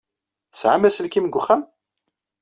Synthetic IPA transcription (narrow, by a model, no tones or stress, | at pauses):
sʕamæsəlkimɡʷʊχːam